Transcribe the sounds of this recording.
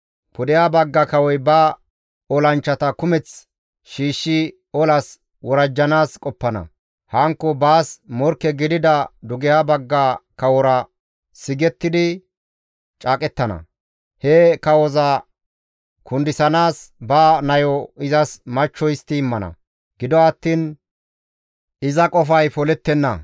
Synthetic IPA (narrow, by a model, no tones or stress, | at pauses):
pʊd̪ɛjabɐɡːɐkɐwɔjbɐ | ɔlɐnt͡ʃːɐt̪ɐkʊmɛt͡s | ʃiːʃːɪ | ɔlɐs | wɔɾɐd͡ʒːɐnaːskʼɔpːɐnɐ̰ | hɐŋkːɔbaːsmɔɾkːɛɡɪd̪ɪd̪ɐd̪ʊɡɪjabɐɡːakɐwɔɾɐ | sɪɡɛt̪ːɪd̪ɪ | t͡ʃʼaːkʼɛt̪ːɐnɐ̰ | hɛkɐwɔzɐ | kʰʊnd̪ɪsɐnaːsbaːnɐjɔɪzɐsmɐt͡ʃːɔjɪst̪ːɪːmːɐnɐ̰ | ɡɪd̪ɔɐt̪ːiːn | ʔɪzɐkʼɔfɐjfɔlɛt̪ːɛnːɐ̰